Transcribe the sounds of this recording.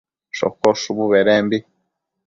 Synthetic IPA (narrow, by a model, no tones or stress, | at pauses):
ʃo̰koʃuβuβeɾeːmbi